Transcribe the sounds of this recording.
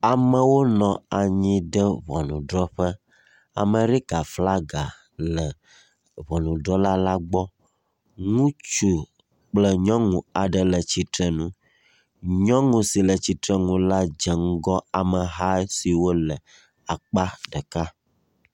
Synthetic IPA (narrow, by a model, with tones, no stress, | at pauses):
a˨mə̃˨wo˦nɔ̃˨a˨ɲĩ˦ɖə˦βɔ˨nũ˨ɖɾɔ˦ɸə˦ | a̰˨mə̃˨ɾi˦ɡa˨fla˦ɡa˨ | lə˨ | βɔ˨nũ˨ɖɾɔ˦la˦la˦ɡ͡bɔ˦ | ŋũ˦t͡ʃu˦ | k͡plə˦ɲɔ̃˦ŋũ˨a˨ɖə˨lə˨t͡ɕi˦t̪ɾɛ˦nũ˦ | ɲɔ̃˦ŋũ˨si˨lə˨t͡ɕi˦t̪ɾɛ˦ŋũ˦la˦d͡ʒə˨ŋ̩˦ɡɔ˦a˨mə˨ɦa˦si˨wo˦lə˨ | a˨k͡pa˦ɖə˨ka˦